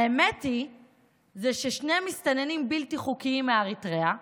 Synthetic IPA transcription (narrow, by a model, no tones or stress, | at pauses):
aemeti | zeʃeʃnemist̪anenimbiltiχukiimːeaʁitʁea